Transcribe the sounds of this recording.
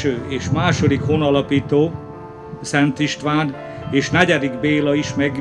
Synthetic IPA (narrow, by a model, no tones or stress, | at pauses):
øːeːʃmaːʃo̞d̪ikhonɒlɒpiːt̪oː | sɛnt̪iʃt̪ʋaːn | eːʃnɛɟɛd̪iɡbeːlɒiʃmɛɡ